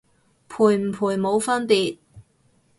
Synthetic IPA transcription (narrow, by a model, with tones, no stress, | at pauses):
pʰuː˨˩jm̩˨˩pʰuː˨˩jmo˨˧wfɐ˥npiː˨t̚